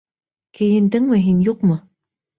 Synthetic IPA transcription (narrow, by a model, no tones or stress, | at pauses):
kɘ̆jɘ̆nd̪ɘŋmɘɦinjuqmɤ